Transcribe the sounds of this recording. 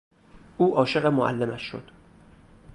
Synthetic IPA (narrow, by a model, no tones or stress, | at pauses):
ʔuːʔɒːʃe̞ɣemoʔæ̰lːemæʃːo̞̰d̪̥